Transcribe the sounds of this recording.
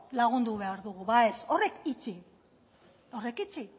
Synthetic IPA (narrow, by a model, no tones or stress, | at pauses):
laɣ̞und̪uβe̞aɾðuɣ̞uβaeso̞re̞kit͡ʃi | o̞re̞kit͡ʃi